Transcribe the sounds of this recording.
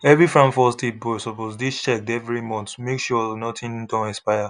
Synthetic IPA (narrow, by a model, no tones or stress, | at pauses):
ɛvifɹãmfɔstibɔsɔposdit͡ʃɛk̚dɛvɹimɔ̃ntmekʃɔnɔtʰĩndɔ̃nɛ̃spaɪja